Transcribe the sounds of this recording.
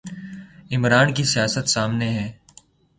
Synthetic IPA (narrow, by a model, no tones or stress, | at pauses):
ɪmɾaːnk̬isijaːsət̪saːmneɦɛ̃ː